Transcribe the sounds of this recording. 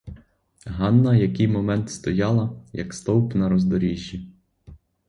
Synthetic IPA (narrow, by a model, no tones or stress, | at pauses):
ɦɑnːɐjɐkɪjmɔmɛnt̪st̪ɔjɑlˠɐjɐ̰kst̪ɔwpnɐɾɔzd̪ɔɾʲiʒʲːi